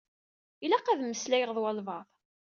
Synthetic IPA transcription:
ilæqæðmːəslæjəʁðˤwɑlvɑðˤ

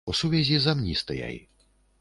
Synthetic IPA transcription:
usuvʲɛzʲizamnʲist̪aja̰j

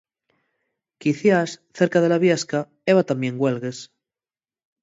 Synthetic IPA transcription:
kiθjasθeɾkað̞e̞laβjaska | eβ̞at̪amje̞ŋɡwelɣes

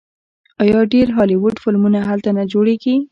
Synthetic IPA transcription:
ɑjɑɖeɾɦɑliwʊɖfɪlmunaɦalt̪anad͡ʒoɽeɡi

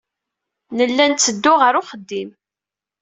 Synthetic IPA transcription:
nəlːænt͡sːəd̪ːʊʁəɾʊχəd̪ːim

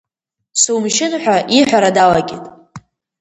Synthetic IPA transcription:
sumʃɪnħʷᶣaʔiħʷᶣaɾadalaɡʲitʼ

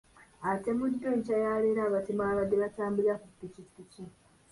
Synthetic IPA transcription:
ate̞mudːoɲcajaːleɾaːβatimaːβadeβataːmbilakupːicipici

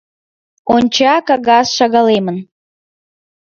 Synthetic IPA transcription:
onʲt͡ɕɑkɑɣɑsʃɑɣɑlemən

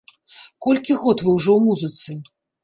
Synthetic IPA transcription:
kɔlʲkʲiɣɔt̪vɨwʐɔwmuzɨt̪sɨ

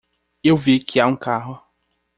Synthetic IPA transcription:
ewvikʰɪaũkaɦʊ

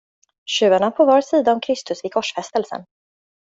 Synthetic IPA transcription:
ɕʉ̟ːaɳapʰɔvɑːɾsiːd̪aɔmkʰɾɪst̪ɵsvɪkʰɔʂfɛst̪əlsə̰n

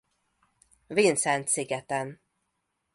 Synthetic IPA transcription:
vinsɛnt̪siɡɛt̪ən

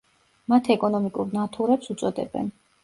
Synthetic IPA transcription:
mat̪ʰɛkʼɔnɔmikʼuɾnat̪ʰuɾɛpsut̪sʼɔd̪ɛ̰bɛ̰n

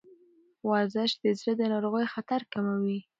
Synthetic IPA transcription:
wɑzɪʃd̪əzɾəd̪ənɑɾoɣəjxat̪aɾkamawi

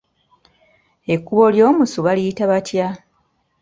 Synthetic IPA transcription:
e̞kːuβo̞ljo̞ːmusuβalijitaβatʰja

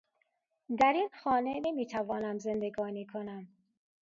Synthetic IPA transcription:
d̪æɾiːnxɒːnenemiːt̪ʰævɒːnæmzend̪eɡɒːniːkʰonæm

